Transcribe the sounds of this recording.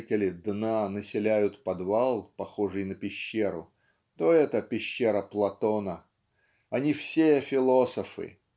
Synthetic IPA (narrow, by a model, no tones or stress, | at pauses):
tʲɪlʲɪd̪nanəsʲɪlʲæjʊt̪pɐd̪valˠpɐxo̞ʐɨjnəpʲɪɕːeɾʊ̰ | t̪o̞ɛt̪əpʲɪɕːeɾəplˠɐt̪onə | ɐnʲifsʲefʲɪlˠo̞səfɨ̰